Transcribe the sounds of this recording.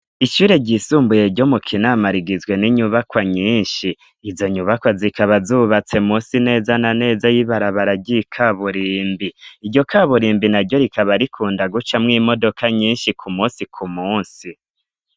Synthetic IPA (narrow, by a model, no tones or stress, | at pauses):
iʃuːɾe̞ɟisuːmbuje̞ɾɟo̞mukʰinamaɾiɡizɡwe̞niɲuβakwaɲiːnʃiː | zo̞ɲuβakwazikʰaβazuːβat͡se̞muːnsine̞ːzanane̞ːzajiβaɾaβaɾaɟikʰaβuɾiːmbiiɟo̞kʰaβuɾiːmbinaɾɟo̞ɾikʰaβaɾikʰuːndaɡut͡ʃamŋiːmo̞do̞kʰaɲiːnʃikʰumuːnsikʰumuːnsi